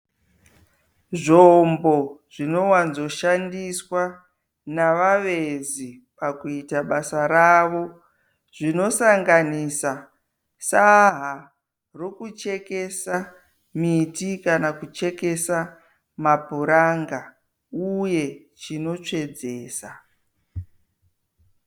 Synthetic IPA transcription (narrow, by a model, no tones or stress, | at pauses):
ʐombo̞ʐ̥ino̞wanzo̞ʃandiswa | naʋaʋezi | pakuitaɓasaɾaʋo̞ | ʐ̥ino̞saŋɡanisa | saɦa | ro̞kut͡ʃe̞ke̞sa | mitikanakut͡ʃe̞ke̞sa | mapuɾaŋɡa | uje̞ | t͡ʃino̞t͡ʂe̞d͡ze̞ːsa